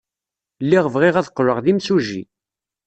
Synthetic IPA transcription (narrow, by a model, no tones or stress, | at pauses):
lːiʁvʁɪʁæðqːləʁðimsuʒḭ